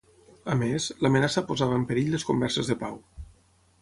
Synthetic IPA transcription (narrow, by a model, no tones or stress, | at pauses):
əmezləmənasəpozaβəːmpəɾiʎləskumbɛɾsəzðəpaw